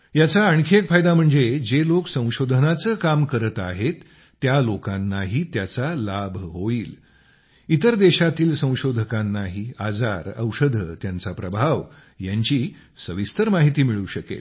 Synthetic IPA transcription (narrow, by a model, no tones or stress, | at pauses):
jat͡saəɳkʰekfajd̪am̤əɳd͡zed͡zeloksə̃w̃ɕod̪ʱənat͡səːkamkəɾət̪aɦet̪ː | jalokanːaɦit̪jat͡salabʱɦoiːl | it̪əɾd̪eɕat̪iːlsə̃w̃ɕod̪ʱəkãnːaɦiad͡zaɾə̰wʂəd̪ʱə̰t̪jant͡sapɾəbʱaʋ | jaɲt͡ɕiː | səʋist̪əɾmaɦit̪iːmiɭuːɕəkḛl